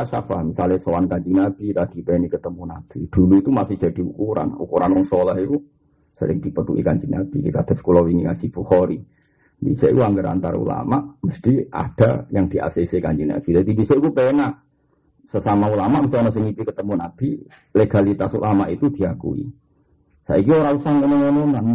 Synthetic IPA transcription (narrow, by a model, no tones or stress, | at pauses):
aʔsa̰famisalɪhsowankaɲd͡ʒinab̥it̪ad̥ipenikət̪əmunab̥id̥uluit̪umasɪhd͡ʒ̥a̤d̥iukuɾa̰nṵkuɾanwɔŋsolahiku | sə̰ɾɪ̰ŋdipət̪ṵḭkanɲd͡ʒinab̥ikikad̪̥asə̥kulowiŋiḁd͡ʒib̥uhoɾi | bḭseikuaŋɡəɾa̰nt̪aɾa̰ṵla̰maʔməst̪ia̰d̥a̰jaŋd̥ia̰sesekant͡ʃina̰ɡ̥id̪at̪ibiseʔikupena | səsamaulamaʔməst̪ionɔsəŋip̪ikət̪əmunab̪̥i | leɡ̥alit̪asṵlʔamaʔit̪ud̥iakṵḭ | sa̰ʔik̬ioɾausahmənonononan